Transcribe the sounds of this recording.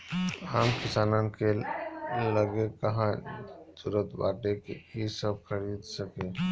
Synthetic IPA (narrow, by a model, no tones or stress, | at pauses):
amkisanənke | ləɡekəɦãsuɾət̪ba̰ʈekeisəb̚kʰəɾid̪səke